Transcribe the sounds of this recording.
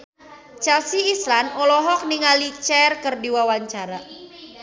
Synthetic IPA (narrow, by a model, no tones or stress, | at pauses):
t͡ʃɛlsiːslanolɔɦɔk̚niŋalit͡ʃɛrkərdiwawaɲt͡ʃaɾa